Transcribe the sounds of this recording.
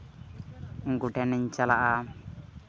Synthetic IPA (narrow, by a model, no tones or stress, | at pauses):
uŋɡuʈʰɛnɛɲt͡ʃalaʔa